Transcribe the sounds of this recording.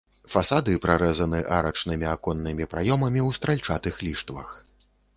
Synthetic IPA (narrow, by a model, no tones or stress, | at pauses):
fasad̪ɨpɾaɾɛzɐnɨʔaɾɐt͡ʂnɨmʲiakɔnːɨmʲipɾajɔmɐmʲiwst̪ɾalʲt͡ʂat̪ɨxlʲiʂt̪vɐ̰x